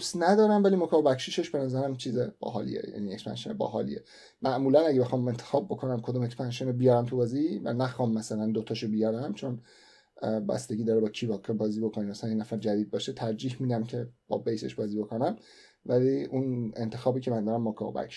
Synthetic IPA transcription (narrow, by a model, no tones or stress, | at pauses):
snæd̪ɒːɾæmvæliːmokʰɒobæcʃiʃe̞ʃbe̞næzæɾæmt͡ʃʰiːzeb̥ɒ̰ːɦɒ̰ːlḭḛjæ̰niekspæ̰nʃenebɒ̰ːɦɒ̰ːlḭḛ | mæʔmuːlænæɟebexɒːme̞nt̪ʰexɒːb̚bːo̞kʰo̞næmkʰod̪omecspænʃenobijɒɾæmt̪ʰubɒːzivæ̰næxɒːmːæsælænd̪ot̪ʰɒʃobijæɾæmt͡ʃʰon | bæ̰st̪e̞ɡiːd̪ɒːɾebɒːcʰibɒkʰɑbɒːziːbokʰonimæslænjenæfæɾd͡ʒæd̪iːd̪̚bɒːʃet̪ʰæɾd͡ʒiːhmid̪æmcʰe̞b̥ɒ̰ːbejse̞̰ʃbɒːziːbo̞ko̞næm | væliunent̪ʰe̞xɒːbiːcʰe̞mænd̪ɒɾæmːokʰɒ̰bæ̰kʃi